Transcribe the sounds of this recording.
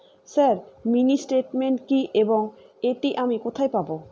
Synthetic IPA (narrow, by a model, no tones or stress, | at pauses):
saɾminisʈeʈmeɳʈkiʔeboŋ | eʈiʔamikot̪ʰajpabo